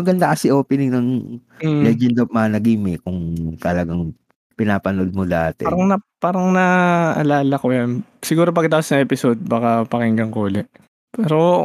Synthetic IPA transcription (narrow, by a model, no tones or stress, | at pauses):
ɐɡɐnd̪akɐsɪʔoːpɪnɪŋnɐŋ | lɛd͡ʒɛnd̪ɐpmɐɐnɐɡimɪkʊŋt̪ɐlɐɡaŋ | pɪnaːpɐnod̪̚mod̪aːt̪ɛ̰ɾɐŋnɐpaːɾɐŋnɐʔɐlaːlɐkojansɪɡuːɾopɐɡ̚t̪aːpɐsnɐŋʔɛpɪsod̪̚baːkɐpɐkɛŋɡɐŋkoːlɛʔ | pɛːɾo